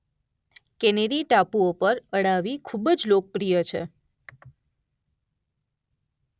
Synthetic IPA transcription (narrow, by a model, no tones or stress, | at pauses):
keneɾiʈapuopəɾəɽaʋikʰubəd͡ʒlok̚pɾijət͡ʃʰḛ